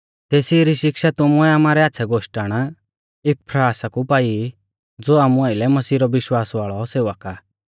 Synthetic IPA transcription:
t̪eːsiɾiʃɪkʃat̪ʊmuɛaːmaːɾɛaːtːsʰɛɡʱoːʃʈəɽ̃ | ɪpʰɾaːsakupaːi | d͡zoːaːmũaːɪlɛmɐsiːɾɔʋɪʃwaːsʋaːɭɔseːʋəka

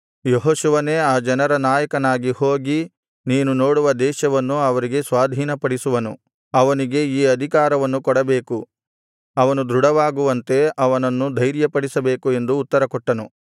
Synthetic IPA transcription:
joɦoːʃuʋɐneːaːd͡ʒɐnɐɾɐnaːjɐkɐnaːɡihoːɡi | niːnuno̞ːɽuʋɐd̪ɛːʃɐʋɐnːuɐʋɐɾiɡe̞sʋaːd̪ʱiːnɐpɐɽisuʋɐnu | ɐʋɐniɡe̞iːɐd̪ʱikaːɾɐʋɐnːukɔɽɐbeːku | ɐʋɐnud̪ɾuɽɐʋaːɡuʋɐnt̪e̞ɐʋɐnɐnːud̪ʱɐjɾjɐpɐɽisɐbeːkue̞nd̪uːt̪ːɐɾɐkɔʈːɐnu

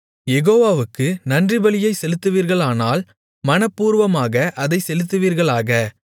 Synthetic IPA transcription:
jɛɣoːʋaːʋɯkːɯnɐndrɪbɐlɪjɐɪsɛlɯt̪ːɯʋiːɾɣɐɭaːnaːl | mɐnɐpːuːɾʋɐmaːɣɐʔɐðɐɪsɛlɯt̪ːɯʋiːɾɣɐɭaːɣɐ

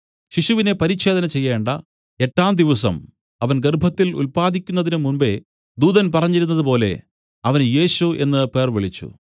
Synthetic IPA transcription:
ɕiɕuʋine̞pɐɾiɕe̞ːd̪ɐnɐt͡ɕe̞jːeːɳɖɐ | e̞ʈːaːmd̪iʋɐsɐ̰m | ɐʋɐnɡerbʱɐt̪ːilṵlpaːd̪ikʲːunːɐðinɨmunbe̞̰ | d̪uːðɐnpɐrɐɲːiɾun̪ːɐðɨpo̞ːle̞̰ | ɐʋɐnje̞ːɕue̞̰nːɨpe̞ːrʋiɭit͡ɕːṵ

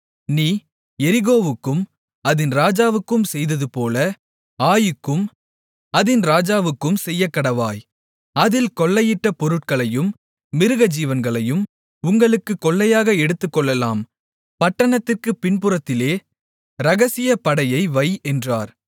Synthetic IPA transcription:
niː | ɛɾɪɣoːʋɯkːɯm | ɐðɪnɾaːd͡ʒaːʋɯkːɯmsɛjðɐðɯpoːlɐ | aːjɯkːɯm | ɐðɪnɾaːd͡ʒaːʋɯkːɯmsɛjːɐkːɐɽɐʋaːj | ɐðɪlkɔɭːɐjɪʈːɐpɔɾɯʈ̚kɐɭɐjɯmː | ɪɾɯɣɐd͡ʒiːʋɐnɡɐɭɐjɯm | ʊŋɡɐɭɯkːɯkːɔɭːɐjaːɣɐɛɽɯt̪ːɯkːɔɭːɐla̰ːm | pɐʈːɐɳɐt̪ːɪrkɯpɪnpɯɾɐt̪ːɪleː | ɾɐɣɐsɪjɐpɐɽɐjɐɪʋɐɪɛndraːɾ

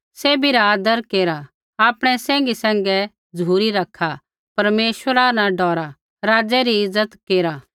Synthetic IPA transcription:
seːbiɾaaːd̪əɾkeːɾa | aːpɽ̃ɛsɛ̃ːŋɡisɛ̃ːŋ̆ɡɛ | d͡zʱuːɾiɾɐkʰa | pɐɾmeːʃwəɾanãɖɔːɾa | ɾaːd͡zɛɾiɪzːət̪keːɾa

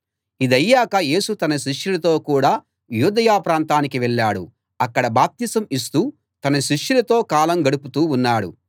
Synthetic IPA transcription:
id̪ɐjːaːkɐje̞ːsut̪ɐnɐʃiʂjulɐt̪o̞ːkuːɽaː | juːd̪ɐjaːpɾaːnt̪aːnik̬iʋɛɭːaːɽṵ | ɐkːɐɽɐbaːp̚t̪iːsɐmis̬t̪uː | t̪ɐnɐʃiʂjulɐt̪o̞ːkaːlɐmɡɐɽuput̪uːnːaːɽṵ

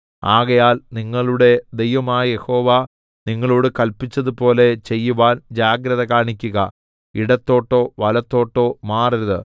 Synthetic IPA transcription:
aːɣɐjaːlniŋːɐɭuɽe̞d̪e̞jʋɐmaːjɐje̞ho̞ːʋa | niŋːɐɭoːɽɨkɐlpit͡ɕːɐðupo̞ːle̞t͡ɕe̞jːuʋaːnd͡ʑaːɡɾɐðɐkaːɳikʲːuɣɐ̰ | iɽɐt̪ːo̞ːʈːo̞ːʋɐlɐt̪ːo̞ːʈːo̞ːmaːriɾɐðɨ

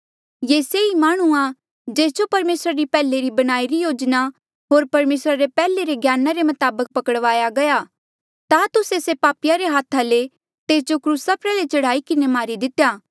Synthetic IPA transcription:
jeːseimaːɽ̃ua | d͡ʒeːsd͡ʒopɐɾmeːsɾaɾipɛːleɾibɐɽ̃aːiɾijoːd͡ʒna | ɦoːɾpɐɾmeːsɾaɾepɛːleɾeɡʱjaːnaɾemɐt̪aːbək̚pɐkəɽʋaːjaɡɐja | t̪at̪ʊsesepaːpɪjaɾeɦaːt̪ʰale | t̪eːs̬d͡ʒokɾuːsapɾɛːlet͡ʃɐɽ̤aːikɪnemaːɾid̪ɪt̪ejaː

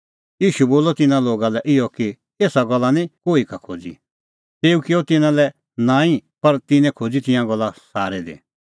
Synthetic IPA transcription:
jiːʃuboːlɔt̪ɪnãloːɡalɛʔɪjɔki | eːsaɡɔlːanĩkoːikakʰo̰ːd͡zḭ | t̪eːukɪɔt̪ɪnãlɛ | nãːĩpɐɾt̪ɪnɛ̃kʰoːd͡zit̪ɪ̃jãɡɔlːasaːɾɛd̪ḛ

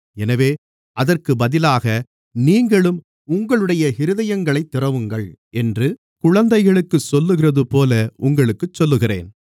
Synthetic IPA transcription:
ɛnɐʋeː | ʔɐðɐrkɯbɐðɪlaːɣɐ | niːŋɡɐɭɯm | ʊŋɡɐɭɯɽɐjɐhɪɾɯðɐjɐŋɡɐɭɐɪt̪ːɪrɐʋɯŋɡɐɭ | ɛndrɯ | kʊɻɐnd̪ɐɪɣɐɭɯkːɯsɔlːɯɣɪrɐðɯpoːlɐʔʊŋɡɐɭɯkːɯt͡ʃːɔlːɯɣɪrḛːn

